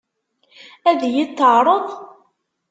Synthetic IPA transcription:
æðjit̪ːəʕɾˤəðˤ

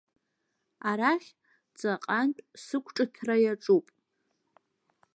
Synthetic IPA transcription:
aɾaχʲ | d͡zʼaqʼantʼsɨkʷʰʈ͡ʂʼɨtʰrajaʈ͡ʂʼupʼ

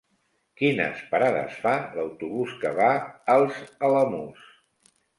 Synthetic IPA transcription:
kinə̰spəɾaðə̰sfaləwt̪uβuskəβaəlˠzələmus

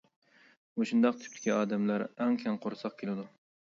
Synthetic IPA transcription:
moʃund̪ɑq̚t̪ʰy̥pt̪ʰɪ̥kʲiɑːd̪ɛmlæɾæŋkʲʰɛŋqʰoɾsɑq̚kʲʰelɪd̪u

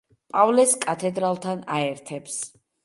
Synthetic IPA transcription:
pʼavlɛskʼat̪ʰɛd̪ɾalˠt̪ʰanaɛɾt̪ʰɛps

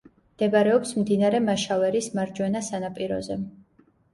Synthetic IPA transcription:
md̪ɛbaɾɛɔpsmd̪inaɾɛmaʃavɛɾismaɾd͡ʒwɛnasanapʼiɾɔ̰zɛ

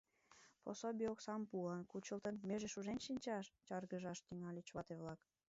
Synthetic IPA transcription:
po̰sobioksɑmpuɑnkut͡ɕəlˠt̪ənmeʒeʃuʒenʃinʲt͡ɕɑʃt͡ɕɑrɣəʒɑʃt̪yŋɑlʲet͡ɕβɑt̪eβlɑk

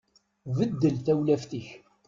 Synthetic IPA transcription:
vəd̪ːəlθæwlæfθiç

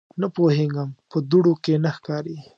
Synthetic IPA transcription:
napoheɡampəd̪uɽokenaxkɑɾi

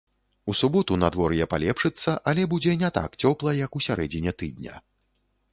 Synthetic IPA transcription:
usubɔt̪unad̪vɔɾjɛpa̰lʲɛpʂɨt̪sːɐʔɐlʲɛbud͡zʲɛnʲɛt̪a̰kt͡sʲɔplˠɐjɐkusʲaɾɛd͡zʲinʲɛt̪ɨd̪̚ʲnʲɐ̰

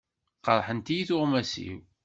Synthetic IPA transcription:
qəɾˤħənt̪ijiθʊʁmæsḭw

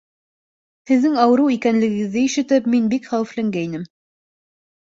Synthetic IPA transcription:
hɘ̆ðːɘŋɑwɤ̆ɾɤwikænlɘ̆ɡɘ̆ɡɘ̆ðːɘiʃɘ̆t̪ɘpminbikχæwɘ̆flæŋɡæinɘm

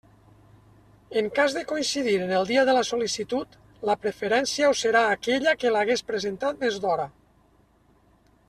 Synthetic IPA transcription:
eŋkazðekoinsiðiɾenəlˠd̪iəðələsolisit̪ut̪ | ləpɾefeɾɛnsiaoseɾaːkeʎəkelaɣespɾezent̪at̪̚d̪ezdɔɾa

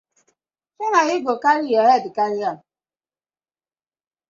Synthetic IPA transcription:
sɔnaɣɪɡokaɾɪjɔjadɪkaɾɪa

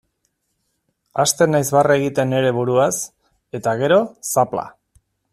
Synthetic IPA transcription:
ast̪e̞najzβareɣ̞it̪e̞ne̞ɾe̞β̞uɾuas | e̞t̪aɣ̞e̞ɾo̞sapla̰

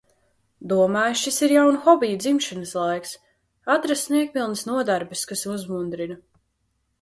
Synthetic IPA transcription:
d̪uɔmaːjʃisiɾjawnuxɔbijud̪zimʃinəslˠajks | at̪ɾasniɛk̚pʲilˠnəsnuɔd̪aɾbɨskasuzmund̪ɾinɐ

